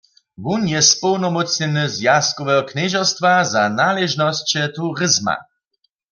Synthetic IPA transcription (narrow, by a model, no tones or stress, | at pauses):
vunjɛspɔwnɔmɔt͡sɲɛnɨzjast̪̚kɔvɛɦɔknɛʒɔst̪vazanalɛʒnɔst͡ɕɛt̪uʁɪzma̰